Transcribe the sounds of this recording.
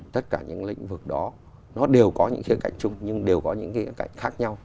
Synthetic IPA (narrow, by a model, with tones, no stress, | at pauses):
t̪ə˦˥t̚kaː˧˩ɲɨ̰˧˥ŋlḭ̈˧˥ŋ̟vɨ˨˩k̚ɗɔ˨˦ | nɔ˨˦ɗe˨˩əwkɔ˨˦ɲɨ̰˧˥ŋxi˨˦ka̰˧˨jŋ̟t͡ɕʊ˧ŋ͡mɲɨ˧ŋɗe˨˩wkɔ˨˦ɲɨ̰˧˥ŋxi˨˦ka̰˧˨jŋ̟xaː˦˥k̚ɲa˧w